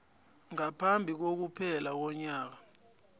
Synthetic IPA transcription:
ŋapʰambʱik̬ok̬upʰɛlak̬ɔɲaːk̬a

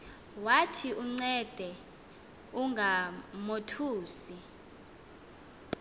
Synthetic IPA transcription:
watʰiʔuŋ͡ǀɛd̥ʱɛ | uŋɡʱamotʰuːsi

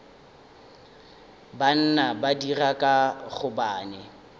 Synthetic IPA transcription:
ban̩nabadirakʼaɣʊbaːnɛ

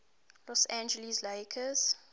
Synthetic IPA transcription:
lɔsãnd͡ʒɛlisleɪkʰəz̥

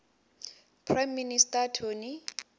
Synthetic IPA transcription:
pʰrajmːinistʼatʰoni

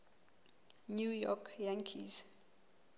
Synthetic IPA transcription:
njujɔkʰjãŋkʰḭz

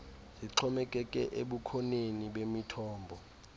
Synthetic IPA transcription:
ziǁʰɔmɛkʼɛkʼɛ̰ʔeɓukʰɔneniɓemitʰɔːmbʱɔ

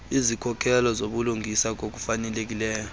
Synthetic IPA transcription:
izikʰɔkʰɛlɔzoɓuluŋʱisak̬ok̬ufanɛlek̬ilɛːjɔ

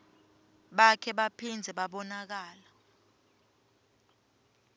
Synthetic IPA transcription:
ɓakʰɛɓapʰind͡zʱɛɓaɓɔnak̬aːla

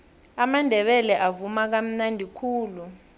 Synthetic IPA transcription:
amandʱɛɓɛlɛʔavumak̬am̩nandʱikʰuːlu

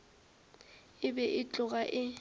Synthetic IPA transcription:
ɪbɛʔɪt͡ɬʼʊɣʼaʔɪ

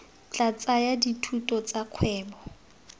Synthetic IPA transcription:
t͡ɬʼat͡sʼajaditʰutʼɔt͡sʼakʰwɛːbɔ

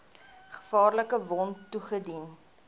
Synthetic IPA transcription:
χə̥fɑːrləkəvɔntːuχədin

